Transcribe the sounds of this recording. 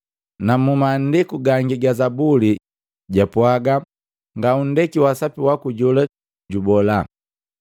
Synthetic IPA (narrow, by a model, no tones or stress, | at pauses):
namumaːndikuɡaŋɡiɡazabuli | ɟapwaɡa | ŋɡaun̩dɛkiwasapiwakuɟɔla | ɟubɔla